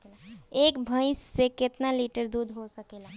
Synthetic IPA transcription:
ekbʱə̃ɪsːeket̪naliʈəɾd̪ud̪ʱɦosəkela

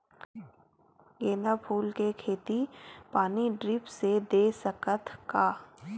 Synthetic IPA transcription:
jeːnapʰuːlkekʰeːt̪ipaːniɖɾɪpsed̪eːsəkət̪kaː

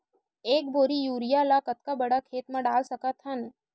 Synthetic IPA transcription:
eːk̚bʱoːɾijuːɾijalakɐt̪̚kabɐɽakʰeːt̪mãɖaːlsɐkat̪ʰɦɐn

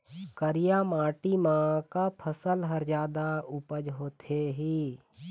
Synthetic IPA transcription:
kəɾijamaːʈimãkapʰəsəlɦəɾd͡ʒaːd̪aʊpəd͡ʒɦoːt̪ʰeɦiː

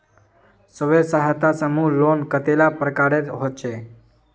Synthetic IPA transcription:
səʋesaɦət̪asəmulonkət̪elapɾəkaɾeɦot͡ʃe

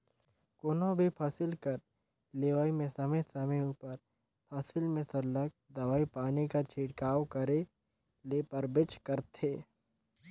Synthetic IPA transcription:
koːnõbʱipʰaːsɪlkɐɾ | leːʋaːimẽsɐmet̪sɐmeuːpəɾ | pʰaːsɪlmẽsɐɾlək̚ | d̪ɐʋaːipaːnikat͡ʃʰiːʈkaːwkɐɾe | leːpɐɾbɪt͡ʃkɐɾt̪ʰeː

